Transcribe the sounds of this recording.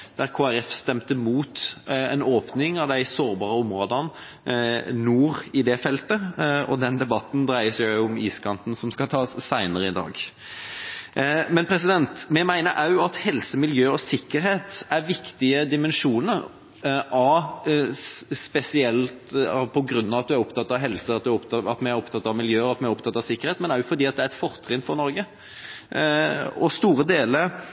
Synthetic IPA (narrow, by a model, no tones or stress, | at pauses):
d̪̥æɾkʰoːæɾɛfst̪ɛmt̪əmuːt̪ɛnoːpnɪŋɑʋd̪æɪsoːɾbɑːɾəʊmɾoːd̪ən | nuːɾɪd̪ɛfɛlt̪əɔ̰d̪ɛnd̪ɛbɑt̪n̩d̪ɾæɪəsjʊʊʊmiːskʰɑnt̪n̩sɔmskɑt̪ʰɑːsːæɪnəɾəɪd̪ɑ̰ːɡ | mɛnpʰɾɛsɪd̪ɛnt̪mɛmæɪnəɾʔɑʉɑt̪hɛlsəmɪljøːɔsɪkːəɾheːt̪æɾʋɪkt̪ɪəd̪ɪmɛnʂuːnəɾ | ʔɑ | spɛsɪɛlt̪pʰɔɡɾʉnːɑʋɑt̪d̪ʉæɾɔpt̪ʰɑt̪ːɑʋɦɛlsəɑt̪̚d̪ʉæɾɔpt̪ɑɑt̪mɛæɾɔpt̪ʰɑt̪ːɑʋmɪljøːəɾɑt̪mɛæɾɔpt̪ʰɑt̪ːɑʋsɪkːəɾheːt̪mɛnæɾjʊfɔɾd̪iːɑt̪d̪ɛæɾɛt̪fɔɾt̪ʰɾɪnfɔɾnɔɾɡə | ɔst̪uːɾəd̪eːləɾ